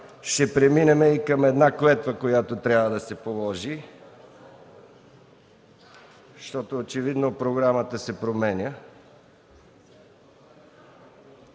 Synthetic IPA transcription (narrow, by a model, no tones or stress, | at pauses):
ʃɛpɾɛminɛmɛikəmɛd̪naklɛt̪vəkojat̪ot̪ɾʲjavəd̪ɐsɛpolˠɔʒi | ʃt̪ɔt̪oːt͡ʃɛvid̪nopɾoɡɾamət̪əsɛpɾomɛnʲə